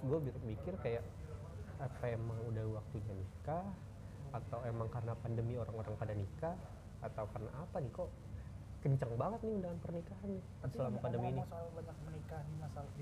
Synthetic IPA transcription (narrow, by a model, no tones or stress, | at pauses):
ɡuabiɾɪmikɪrkajaʔ | apaemaŋudahwak̚t̪uɲanikah | at̪awemaŋkarənapandəmioɾaŋoɾaŋpadanikah | at̪awkarna̰ːpanikɔ | kəɲt͡ʃaŋbaŋət̪̚nɪundaŋanpərnikaɦanni | səlamapandəminisbaɲak̚mənikanimasal